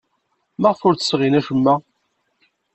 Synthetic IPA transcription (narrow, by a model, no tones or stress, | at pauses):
mæʁfʊɾt͡sə̥sʁinæʃəmːæ